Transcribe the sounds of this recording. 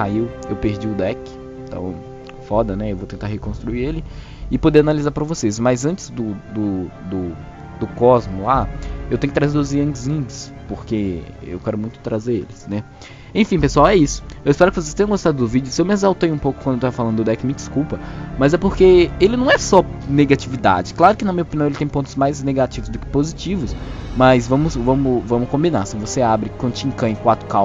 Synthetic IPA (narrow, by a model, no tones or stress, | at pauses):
aiwewpeɾd͡ʒiʊd̪ɛkɪ̥̃ | t̪ɐ̰̃w̃ | fɔd̪ɐnɛewvowt̪ẽnt̪aɾɦekõst̪ɾuiɾelɪ | ɪpod̪eɾanalizaɾpɾɐvosesmɐzɐ̃nt͡ʃɪ̥zd̪ʊd̪ʊd̪ʊ | d̪ʊkɔzmʊlaewt̪ẽkɪt̪ɾazeɾʊziɐ̃d͡ʒɪzĩd͡ʒɪs | poɾkeḛwkɛɾʊmũj̃t̪ʊ̥t̪ɾazeɾelɪsnɛ | ẽfĩpesuawɛisʊ̥ewɪspɛɾʊkɪvosest̪ẽj̃ɐ̃ɡost̪ad̪ʊd̪ʊvid͡ʒʊsewmɪezawt̪ejũpowkʊkwɐ̃d̪ewt̪avɐfalɐ̃d̪ʊd̪ɛkɪmɪd͡ʒɪskuwpɐmɐzɛpoɾkeelɪnɐ̃w̃ɛsɔneɡat͡ʃivid̪a̰d͡ʒɪklaɾʊkɪnɐmĩɐopiniɐ̃elɪt̪ẽj̃põnt̪ʊzmajzneɡat͡ʃivʊzd̪ʊkɪ̥pozit͡ʃivʊs | mɐzvɐ̃mʊsvɐ̃mʊvɐ̃mʊkõmbĩnaɾsĩvoseabɾɪkwɐ̃d̪ʊt͡ʃĩŋkɐ̃j̃kwat̪ɾʊkaw